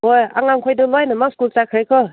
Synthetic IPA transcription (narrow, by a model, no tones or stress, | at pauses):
ɦoja̰ŋaŋkʰojdɯŋlajnɯmaskult͡sakʰɾajkʰɔ